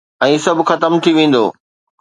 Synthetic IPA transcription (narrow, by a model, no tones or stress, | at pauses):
ɛ̃ːsɐbʱɪxɐt̪əmt̪ʰiʋẽːn̆d̪oː